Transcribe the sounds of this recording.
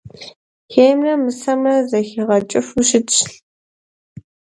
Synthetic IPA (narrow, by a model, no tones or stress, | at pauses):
xejmrɐmɨsɐmrɐzɐxiʁɐt͡ʃʼɪfuɕɪtɕɬ